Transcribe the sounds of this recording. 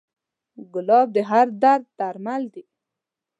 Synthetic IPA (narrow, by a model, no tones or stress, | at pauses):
ɡʊlɑb̚d̪əɦaɾd̪aɾd̪̚t̪aɾmald̪i